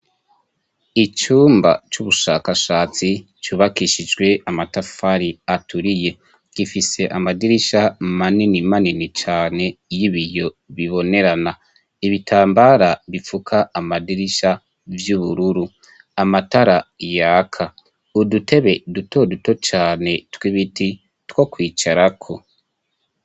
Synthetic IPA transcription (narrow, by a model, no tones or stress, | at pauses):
it͡ʃuːmba̰t͡ʃuβuʃaːkaʃaːt͡si | t͡ʃuβakiʃid͡ʒɡwe̞amatafaɾiatʰuɾije̞ | kifise̞ʔamadiɾiʃamaninimaninit͡ʃaːne̞jiβijo̞ | βiβo̞ne̞ɾana | iβitʰaːmbaɾaβifukʰaːmadiɾiʃa | vjuːβuɾuɾu | amataɾajakʰa | udute̞βe̞duto̞duto̞t͡ʃaːne̞twiβiti | two̞kwiːt͡ʃaɾakʰo̞